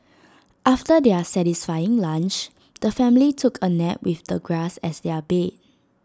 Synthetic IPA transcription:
ʔaftədeasɛtisfajɪ̃ŋlãnt͡ʃ | d̥əfɛ̃mlitʰukʰənɛʔ̚wifd̥əɡɹasɛsdɛəbet̚

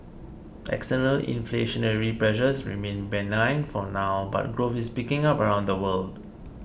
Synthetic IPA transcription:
ʔɛ̰kstənəlḭ̃nfleʃə̃nəɹipɹɛʃəsɹḭmẽnbɛ̃nãɪ̃nfɔnaʊba̰t̚ɡɹofispikɪ̃ŋapəɹãʊ̃ndəwəld

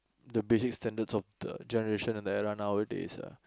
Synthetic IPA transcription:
dəbesikstɛ̃ndədsɔfdə̰d͡ʒɛnəɹeʃə̃nɛ̃ndəɛɹãnawitḭsə̰

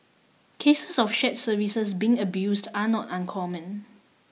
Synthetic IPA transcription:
kʰesəsɔfʃɛt̚səvisəsbiɪ̃ŋəbjusdanɔtãnkʰɔmə̃n

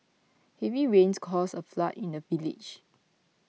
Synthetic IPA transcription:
hɛviɹẽnskʰɔsəflatĩndəvilḭd͡ʒ

